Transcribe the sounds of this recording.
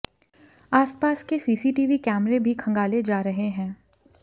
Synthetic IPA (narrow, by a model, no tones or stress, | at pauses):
aːspaːskesiːsiʈiːʋikɛːmɾebʱikʰɐ̃ŋɡaːled͡ʒaːɾɐɦeɦɛ̃ː